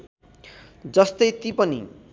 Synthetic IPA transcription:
d͡zʌst̪ʌjt̪ipʌnḭ

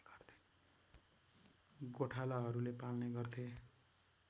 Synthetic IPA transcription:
ɡʌrt̪ʰe̥ | ɡoʈʰalaɦʌɾulepalneɡʌrt̪ʰe

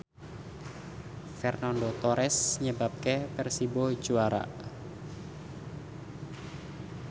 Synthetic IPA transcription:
fɛrnandot̪ɔɾʔɛsɲəbap̚kepɛrsibɔ̥d͡ʒuaɾa̰ʔ

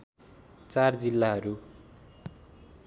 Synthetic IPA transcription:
t͡sard͡zilːaɦʌɾu

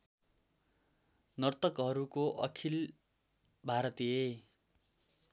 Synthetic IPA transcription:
nʌrt̪ʌkɦʌɾukoʔʌ̰kʰil | bʱaɾʌt̪ie

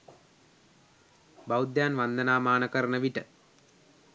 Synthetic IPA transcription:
bawd̪jaːnʋand̪ənaːmaːnəkəɾənəʋiʈə

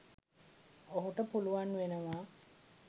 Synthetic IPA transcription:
oɦuʈəpuluʋanːuʋenəʋaː

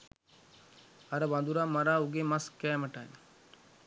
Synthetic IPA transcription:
ɐɾəʋand̪uɾaːmɐɾaːuɡeːmɐskɛːməʈa̰jn

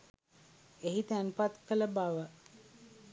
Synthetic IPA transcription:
eɦit̪ænpat̪kələbaʋə

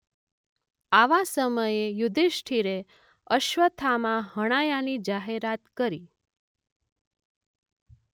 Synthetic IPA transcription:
aʋasəməjejud̪ʱeʃʈʰiɾe | əʃʋət̪ʰamãɦəɽ̃ajanid͡ʒaɦeɾat̪kəɾi

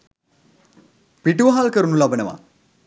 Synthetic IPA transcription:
piʈuʋɦalkəɾunulabənəʋa̰

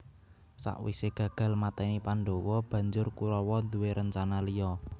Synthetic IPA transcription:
sa̰ʔwḭseɡ̥ä̤ɡ̥ä̤lmat̪ɛnipaɳɖowɔb̥ä̤ɲd͡ʒʊrkuɾɔwɔnd̪uweɾʔəɲt͡ʃanalijɔ

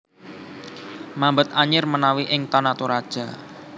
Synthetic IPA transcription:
mambət̪̚aɲɪrmənawiʔɪŋt̪ɔnat̪uɾad̥ʒ̥a̤

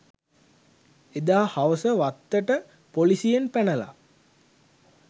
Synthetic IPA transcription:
ed̪aːhaʋəsəʋat̪ːəʈə | polisijenpænəla̰

